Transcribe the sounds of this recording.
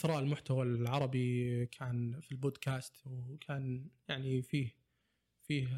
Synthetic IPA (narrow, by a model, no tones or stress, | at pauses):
θɾˤɑːʔɪlmʊħt̪awalʕɑɾˤɑbikʰaːnfilboːd̪kʰaːst̪wkʰaːnjaʕnifiːh | fiːh